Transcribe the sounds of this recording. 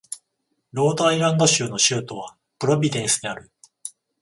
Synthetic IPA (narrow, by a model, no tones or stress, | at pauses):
ɾo̞ːd̪aiɾãnd̪o̞ɕɨːno̞ɕɨːt̪o̞β̞a | pɯ̟ɾo̞bʲid̪ẽ̞ɰ̃sɨd̪e̞aɾɯ̟